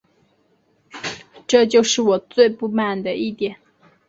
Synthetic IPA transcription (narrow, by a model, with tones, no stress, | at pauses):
ʈ͡ʂɤ˥˧t͡ɕjo˥˧ʊʂɻ̩˥˩wɔ˨˩t͡swe˥˧ɪpu˥˧ma˥˩nd̪ə˩i˥˩t̪jɛ˨˩˦n